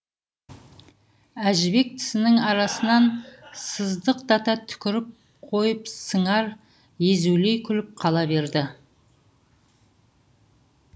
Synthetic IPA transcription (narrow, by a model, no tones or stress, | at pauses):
æʒɪbe̞k̚t̪ʰɪ̥sɪnɪŋɑɾɑsənɑnsəzd̪əq̚d̪ɑt̪ɑt̪ʰʏ̥kʲɪɾɪp̚ | qʰo̞jəpsəɴɑɾ | je̞zule̞jkʲʰʏlɪp̚qʰɑlˠɑbe̞ɾd̪ɪ